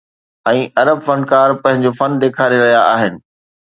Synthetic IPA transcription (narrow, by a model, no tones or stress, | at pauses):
ɛ̃ːʔɐɾəbfɐ̃nkaːɾpɐ̃ɦɪ̃ɲd͡ʑofɐnd̪eːkʰaːɾeɾɐɦijaʔaːɦɪnɪ̆